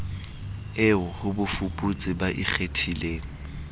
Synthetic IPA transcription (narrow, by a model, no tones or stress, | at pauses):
ɪʊhʊbʊfupʼut͡sʼɪbaʔik͡xetʰileːŋ̩